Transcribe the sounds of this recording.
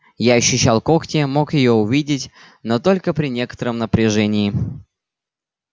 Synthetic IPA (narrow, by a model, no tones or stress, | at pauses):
jaɐɕːʉɕːalˠko̞ktʲɪmo̞kjɪjo̞ʊvʲidʲɪtʲ | no̞t̪o̞lʲkəpɾʲɪnʲe̞kə̥t̪əɾəmnəpɾʲɪʐɛnʲɪɪ